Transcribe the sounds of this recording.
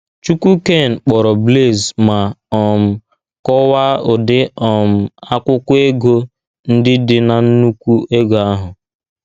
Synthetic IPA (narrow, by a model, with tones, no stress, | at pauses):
t͡ʃu˦kʷu˦ke˦˨n̩˨k͡pɔ˨ɾɔ˨ble˦˨zma˨ɔ˨m̩˨ | kɔ˦wa˦ʊ˨dɪ˦ɔ˨m̩˨a˦kʷʊ˦kʊ˦e˦ɡo˦ | n̩˦dɪ˦dɪ˦na˨n̩˦nu˦kʷu˦e˦ɡo˨a˦ɦʊ˨